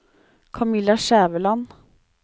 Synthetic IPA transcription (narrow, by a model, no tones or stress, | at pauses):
kʰɑmɪlɑʃæːʋəlɑn